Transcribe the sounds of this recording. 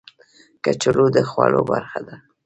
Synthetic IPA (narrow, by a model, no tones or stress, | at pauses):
kat͡ʃalud̪əxwɑlobaɾxad̪a